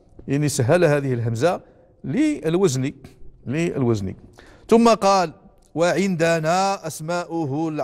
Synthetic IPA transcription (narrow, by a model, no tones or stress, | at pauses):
jaʕnisəɦːælhæd̪əhəlɦəmza | liəlwəzniliə̰lwæznḭt̪ʊmːaqɑl | waʕənd̪ænaʔæsmaʔʊɦʊl